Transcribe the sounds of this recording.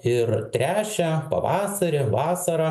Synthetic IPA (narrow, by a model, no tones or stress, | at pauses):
ɪɾt̪ʲɾʲæːt͡ʃʲɛpɐ̰ʋɑːsɐɾʲɪʋɑːsɐɾɐ